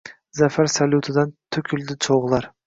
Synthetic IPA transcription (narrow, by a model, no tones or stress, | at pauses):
zafaɾsalut̪ʰɪd̪ant̪ʰʊkʲʰɪld̪ɪt͡ʃʰoʁlˠaɾ